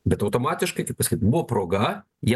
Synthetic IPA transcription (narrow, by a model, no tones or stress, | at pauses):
bʲɛt̪ɐʊt̪oːmɑːt̪ʲɪʃkɐɪkɐɪpɐsɐ̥kʲit̪bʊʋopɾoːɡɐ | jiɛ